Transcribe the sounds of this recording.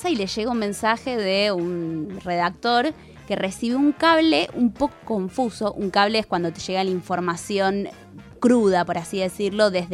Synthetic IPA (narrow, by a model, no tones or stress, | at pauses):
saileʒeɣaunmẽ̞nsaxe̞ðeunre̞ðak̚t̪o̞ɾ | ke̞re̞siβuŋkaβleʔumpo̞koko̞ɱfusoʔuŋkaβleeskwand̪o̞t̪eʒ̥eɣalaiɱfo̞ɾmasjo̞ŋ | kɾuð̞apo̞ɾasiðe̞siɾlo̞ðe̞ð